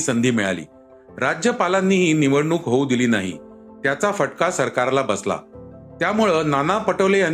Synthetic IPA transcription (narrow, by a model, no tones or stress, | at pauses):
sənd̪ʱiːmiɭa̰lḭː | ɾad͡ʑjəpalanːiːɦiːniʋəɽɳuːkɦoud̪iliːnaɦḭ | t̪jat͡safəʈkasəɾkaɾlabəsla̰t̪jamuɭəːnanapəʈəʋlean